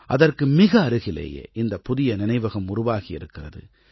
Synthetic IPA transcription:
ʔɐðɐrkɯmɪɣɐːɾɯɣɪlḛːjḛːʔɪnd̪ɐpʊðɪjɐnɪnɐɪʋɐɣɐmʊrʊʋaːɣɪɪɾɯkːɪrɐðɯ̰

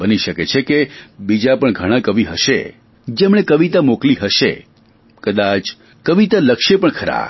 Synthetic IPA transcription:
bəniʃəket͡ʃʰekebid͡ʒapəɳɡʱəɽ̃ãkəʋiɦəʃḛ | d͡ʒemɳ̃ekəʋit̪amokliɦəʃḛ | kəd̪at͡ʃ | kəʋit̪aləkʃepəɳkʰəɾa̰

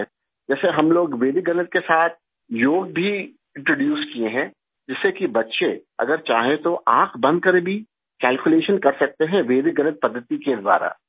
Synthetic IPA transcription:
d͡ʒɛːseɦɐmloːɡʋeːd̪ɪk̚ɡɐnət̪̚kesaːt̪̚ʰ | joːɡbʱi | ɪ̃ɳʈɾoːɖjuːskieɦɛ̃ | d͡ʒɪsːekibɐtːʃeɐ̰ɡəɾt͡ʃaːɦẽt̪oʔaːkʰbɐ̃nd̪̚kɐɾbʱi | kɛːlkʊleːʃənkɐɾsɐk̚t̪eɦɛ̃ʋeːd̪ɪk̚ɡɐnət̪̚pɐd̪ʱːət̪iked̪wa̰ːɾa̰ː

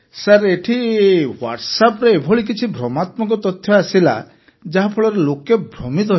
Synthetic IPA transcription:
saɾeʈʰiwa̰ʈsapɔɾeebʱɔɭik̬it͡ʃʰibʱɾɔmat̪mɔkɔt̪ɔt̪ʰjɔasila̰ | d͡ʒaɦapʰɔɭɔɾelokebʱɾɔmit̪̬ɔ

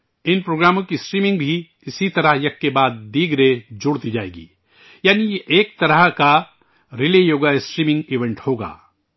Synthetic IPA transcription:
ɪnpɾoːɡɾaːmõkisʈɾiːmɪ̃ŋɡbʱi | ɪsit̪ɐɾəɦjɐkːebaːd̪̚ːiːɡɾed͡ʒʊɽt̪id͡ʒaːḛːɡḭː | jaːnijeʔeːk̚t̪ɐɾəɦka | ɾɪlejoːɡaɪsʈɾiːmɪ̃ŋɡiʋẽɳʈhoːɡa̰ː

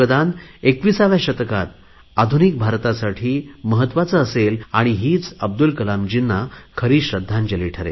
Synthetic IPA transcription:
əd̪anekʋisaʋjaɕət̪kat̪ | ad̪ʱunik̚bʱaɾt̪asaʈʰiːməɦət̪ʋat͡səːselaɽ̃iɦiːt͡səb̚d̪ulkəlamd͡ʑinːakʰəɾiːɕɾəd̪ʱːãnd͡ʑəliʈʰəɾḛ

